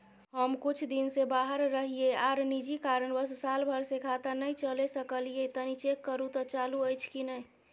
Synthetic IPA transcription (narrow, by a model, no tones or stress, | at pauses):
ɦəmkʊt͡ʃʰd̪insebaːɦəɾːəɦieaːɾnid͡ʒikaɾəɳbəssaːlbʱəɾsekʰat̪ənəĩt͡ʃəlesəkəliet̪ənit͡ʃekːəɾũt̪ɔt͡ʃaːluəɪt͡ʃʰkinəi